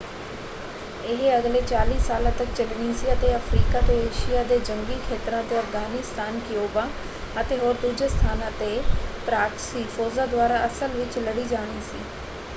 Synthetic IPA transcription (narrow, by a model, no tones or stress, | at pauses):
ɪɦəɡleːt͡ʃaːliːsaːlãːt̪ək̚t͡ʃəlniːsiːət̪eːəfʰɾiːkaːt̪eːeːʃɪjaːd̪eːd͡ʒə̃ŋɡiːkʰeːt̪ɾãːt̪eːəfɡaːnist̪aːnkɪjoːbaː | ət̪eːɦoːɾd̪uːd͡ʒest̪ʰaːnãːt̪eːpɾaːksiːfʰoːzaːd̪ʊwaːɾaːəsəlʋɪt͡ʃləɽiːd͡ʒaːɽ̃iːsḭː